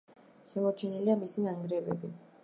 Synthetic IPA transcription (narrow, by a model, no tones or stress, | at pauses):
ʃɛmɔɾt͡ʃʰɛniliamisinaŋɡɾɛbɛ̰bi